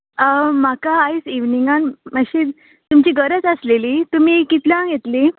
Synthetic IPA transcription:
makaːjsiʋniŋɡanməɕi | t̪umt͡ɕiːɡəɾət͡səsleliːt̪um̤iːkit̪ljãɡjet̪li

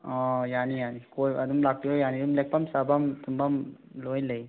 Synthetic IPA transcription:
ɔjanijanikojad̪umlak̚tiojanidumlek̚pamsabamt̪umbamlojlej

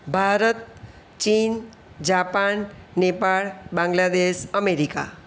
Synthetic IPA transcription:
bʱaɾət̪̚ | t͡ʃin | d͡ʒapanːepaɭbãŋɡlad̪esəmeɾika̰

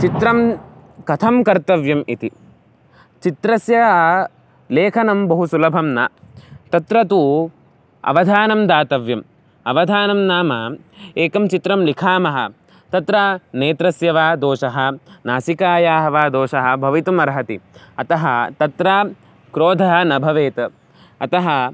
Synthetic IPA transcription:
t͡ʃit̪ɾɐmkɐt̪ʰɐmkɐɾt̪ɐʋjɐmit̪i | t͡ʃit̪ɾɐsjɐ | leːkʰɐnɐmbɐɦusulɐbʱɐmnat̪ɐt̪ɾɐt̪u | ɐ̰ʋɐd̪ʱaːnɐmd̪aːt̪ɐʋjɐm | ɐʋɐd̪ʱaːnɐmnaːmɐ | eːkɐmt͡ʃit̪ɾɐmlikʰaːmɐɦɐ | t̪ɐt̪ɾaːneːt̪ɾɐsjɐʋaːd̪oːʃɐɦɐ̆naːsikaːjaːɦɐʋaːd̪oːʃɐɦɐ̆bʱɐʋit̪ɐmɐɾɦɐt̪iɐt̪ɐɦɐt̪ɐt̪ɾaː | kɾoːd̪ʱɐɦɐ̆nɐbʱɐʋeːt̪ɐ | ɐt̪ɐɦɐ

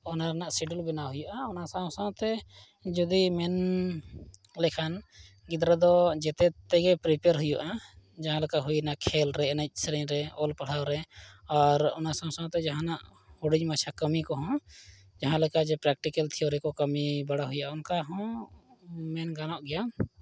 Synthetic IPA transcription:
ɔnaɾɛnaʔsiɖulbɛnaɦujuʔaɔnasãsãt̪ɛ | d͡ʒɔd̪imɛn | lɛkʰan | ɡid̪ɾad̪ɔd͡ʒɛt̪ɛt̪ɛɡɛpɾipaɾɦujuʔa | d͡ʒaɦãlɛkaɦujnaʔkʰɛlɾɛɛnɛc̚ˀsɛɾiɲɾɛɔlpaɽ̤awɾɛɔɾɔ̰nasãsãt̪ɛd͡ʒaɦãnaʔ | huɽid͡ʒmat͡ʃʰakəmikɔɦɔ̃ | d͡ʒaɦãlɛkad͡ʒɛpɾɛk̚ʈikɛlt̪ʰiɔɾɛkɔkəmibaɽaɦujaʔaunkaɦɔ̃ | mɛnɡanɔʔɡɛja

